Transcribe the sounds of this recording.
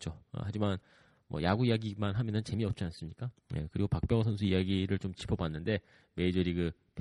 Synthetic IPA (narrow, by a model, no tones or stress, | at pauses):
t͡ɕʰoʌ̰had͡ʑiman | mʌ̰jaɡuijaɡimanɦamjʌnɯnt͡ɕe̞miʌp̚t͡ɕ͈ians͈ɯmɲik͈aje̞̰kɯɾiɡopak̚p͈jʌŋsʰʌns̬ʰuijaɡiɾɯɭt͡ɕomt͡ɕʰi̥pʰʌbanːɯnde̞ | me̞id͡ʑʌɾikɯ | p